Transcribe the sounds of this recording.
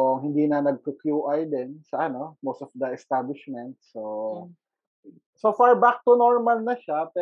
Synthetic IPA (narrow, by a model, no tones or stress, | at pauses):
oʔŋhɪnd̪iːnɐnɐɡ̚kokjuːʔɐjd̪ɛnsɐʔɐno̞most̪ɔfd̪ɐʔɛst̪ablɪʃmɛnt̪̚so | sofaɹbak̚t̪ʊnoɹmɐlnɐʃapɛ